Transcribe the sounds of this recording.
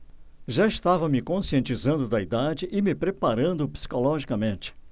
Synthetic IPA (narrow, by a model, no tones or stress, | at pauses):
ʒaɪst̪avɐmɪkõsiẽnt͡ʃizɐ̃nd̪ʊd̪ɐid̪ad͡ʒɪʔɪmɪpɾepaɾɐ̃nd̪ʊpsi̥kolɔʒikɐmẽnt͡ʃɪ̥